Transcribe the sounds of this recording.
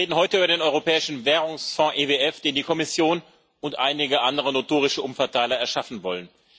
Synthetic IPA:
ʁeːdn̩ɦɔʏtəyːbɐdeːnɔʏʁopɛːɪʃn̩vɛːʁʊŋsfɔ̃ʔeːveɛfd̥eːndiːkʰɔmɪsjoːn | ʔʊntʔa̰ɪnɪɡəʔandəʁ̞ənotʰoːʁɪʃəʔʊmfɛɐtaɪlɐɛɐʃafn̩vɔlən

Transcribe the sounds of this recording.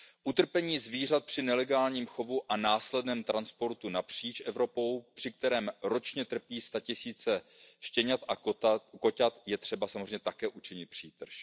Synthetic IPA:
ʔut̪r̩pɛɲiːzviːr̝at̪̚pr̥ɪnɛlɛɡaːlɲiːmxo̞vuʔanaːslɛdnɛːmt̪ɾanspo̞ɾt̪unapr̝̥iːt͡ʃʔɛvɾo̞po̞wpr̥ɪk̚t̪ɛɾɛːmɾo̞t͡ʃɲɛt̪r̩piːst̪acɪsiːt͡sɛʃcɛɲat̪ʔako̞cat̪jɛt̪r̝̥ɛbasamozreɛɲːɛt̪akɛːʔut͡ʃɪɲɪt̪̚pr̝̥iːt̪r̩ʃ

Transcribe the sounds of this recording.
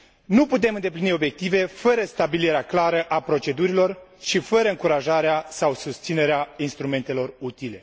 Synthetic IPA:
nuput̪̬e̞mɨnd̪e̞p̬linio̞bje̞k̚t̪ive̞fəɾəst̪abiliɾeaklaɾəʔapɾo̞t͡ʃe̞d̪uɾilo̞rʃifəɾəɨŋkuɾaʒaɾeasawsust̪sine̞ɾeainst̪ɾume̞nt̪e̞lo̞rut̪ile̞

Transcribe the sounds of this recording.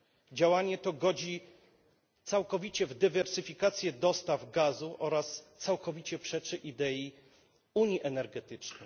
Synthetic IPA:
d͡ʑawaɲɛt̪ɔɡɔd͡ʑi | t̪sawkɔvʲit͡ɕɛvd̪ɘvɛɾsɘfʲikat̪sʲjɛd̪ɔst̪avɡazuʔɔɾast̪sawkɔvʲit͡ɕɛpʂɛt͡ʂɘʔid̪ɛji | uɲiʔɛnɛɾɡɛt̪ɘt͡ʂnɛ

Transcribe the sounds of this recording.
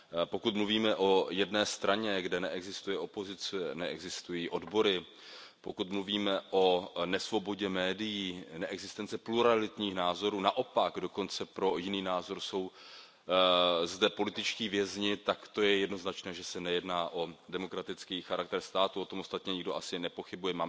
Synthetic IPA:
po̞kut̪mluviːmɛʔo̞jɛdnɛːst̪ɾaɲɛɡdɛnɛʔɛɡzɪst̪ujɛʔo̞po̞zɪt͡sɛnɛʔɛ̰ɡzɪst̪ujiːʔo̞dbo̞ɾɪ | pokut̪mluviːmɛʔo̞nɛsvo̞bo̞ɟɛmɛːdɪjiːnɛʔɛɡzɪst̪ɛnt͡sɛpluɾalɪt̪ɲiːxnaːzo̞ɾuːnaʔo̞paɡdo̞ko̞nt͡sɛpɾo̞jɪniːnaːzo̞ɾso̞w | zdɛpo̞lɪt̪ɪt͡ʃciːvjɛzɲɪt̪akt̪o̞jɛjɛdno̞znat͡ʃnɛːʒɛsɛnɛjɛdnaːʔo̞dɛmo̞kɾat̪ɪt͡skiːxaɾak̚t̪ɛɾst̪aːt̪uot̪omost̪at̪ɲɛɲɪɡdo̞ʔasɪnɛpo̞xɪbujɛmaː

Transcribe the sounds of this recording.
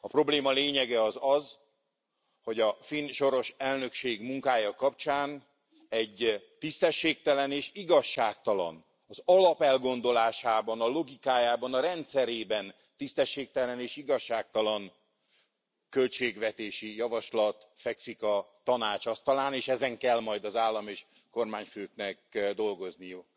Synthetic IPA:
ɒpro̞bleːmɒleːɲɛɡɛɒzɒz | ho̞ɟɒfinʃo̞ɾo̞ʃɛlnø̞kʃeːɡmuŋkaːjɒkɒp̚t͡ʃaːn | ɛɟt̪ist̪ɛʃːeːk̚t̪ɛlɛneːʃiɡɒʃːaːkt̪ɒlɒ̰n | ɒzɒlɒpɛlɡo̞nd̪o̞laːʃaːbɒnɒlo̞ɡikaːjaːbɒnɒɾɛnt̪sɛɾeːbɛn | t̪ist̪ɛʃːeːk̚t̪ɛlɛneːʃiɡɒʃːaːk̚t̪ɒlɒn | kølt͡ʃeːɡʋɛt̪eːʃijɒvɒʃlɒt̪ | fɛksikɒt̪ɒnaːt͡ʃɒst̪ɒlaːneːʃɛzɛŋkɛlmɒjd̪ɒzaːlːɒmeːʃ | ko̞rmaːɲføːknɛkd̪o̞lɡo̞znijuk

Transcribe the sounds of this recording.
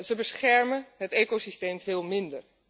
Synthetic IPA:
zəbəsχɛɹmənɦəteːkosisteːmvɪːlˠmɪndər

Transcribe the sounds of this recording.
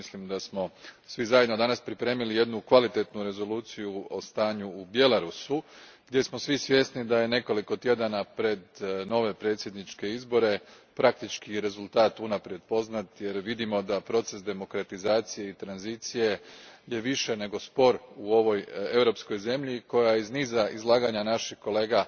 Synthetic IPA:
mislimd̪asmo̞sʋizajed̪no̞d̪anaspɾipɾe̞ːmilije̞d̪nukʋalit̪e̞t̪nuɾe̞zo̞luːt̪sijuo̞st̪aːɲuːbje̞laɾusu | ɡd̪ʲje̞smo̞sʋisʋje̞snid̪ajene̞ko̞liko̞t̪je̞d̪anapɾe̞d̪no̞ːʋe̞pɾe̞ːt̪sʲjed̪nit͡ʃke̞izbo̞ɾe̞ | pɾak̚t̪it͡ʃkiɾe̞zulˠt̪aːt̪unapɾje̞d̪̚po̞znat̪je̞ɾʋid̪imo̞d̪apɾo̞t̪se̞sd̪e̞mo̞kɾat̪izaːt̪sije̞it̪ɾanzit̪sije̞je̞ʋiʃe̞ne̞ɡo̞spo̞ɾuo̞ʋo̞je̞ʋɾo̞psko̞jze̞mʎiko̞jaizniːzaʔizlˠaːɡaɲanaʃixko̞le̞ːɡa

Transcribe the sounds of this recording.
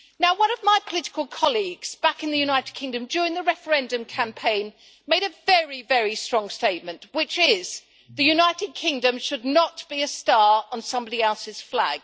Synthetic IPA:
naʊwʌ̃nʌvmaɪpʰəlɪɾɪ̥kəl̩ˠkʰɑlˠiɡz̥b̥ækɨ̃nðɨjʉnaɪɾɨd̚kʰɪ̃ŋdɨ̃md͡ʒɔɹɪ̃ŋðɨɹɛfə˞ɛ̃ndɨ̃mkʰæ̃mpʰẽɪ̃n | meɪɾɨvɛɹivɛɹistɹ̥ɔ̃ŋsteɪt̚mɨ̃nʔwɪt͡ʃɪz̥ | ðɨjʉnaɪɾɨd̚kʰɪ̃ŋdɨ̃mʃɨdⁿnət̚b̥iɨstɑɹə̃nsʌ̃mbɑɾiɛlˠsɨz̥flæ̰ɡ̥

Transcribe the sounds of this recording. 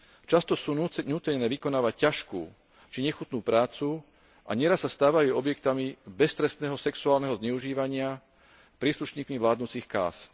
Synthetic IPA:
t͡ʃast̪ɔsuɲuːt̪ɛɲnɛːʋikɔnaːʋac̚caʃkṵː | t͡ʃiɲɛxut̪nuːpɾaːt͡su | a̰ɲɛɾasːast̪aːʋajuɔbjɛkt̪amibɛst̪ɾɛst̪nɛːɦɔsɛksuaːlnɛɦɔzɲɛuʒiːʋaɲɪa | pɾiːsluʃɲiːkmiʋlaːd̪nut͡siːxka̰ːst̪

